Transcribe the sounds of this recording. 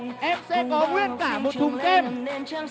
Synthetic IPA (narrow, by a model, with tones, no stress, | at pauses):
ʔɛ˧msɛ̰˧˥kɔ˨˦kwi˦˥ət̚kaː˧˩mo˨˩t̚t̪ʰu˨˩ŋ͡mkɛ˧m